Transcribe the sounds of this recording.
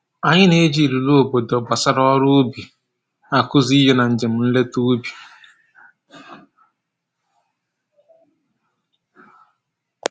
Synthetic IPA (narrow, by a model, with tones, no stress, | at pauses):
a˨ɲɪ˦ne˦d͡ʒi˦˨ɾu˨lo˦o˨bo˨dɔ˨ɡ͡ba˨sa˦ɾɔ˦ɾʊ˦ʊ˦bi˨ | a˨kʊ˦zi˦ɦe˦na˨n̩˨d͡ʒe˨m̩˨n̩˦le˦tu˦bi˨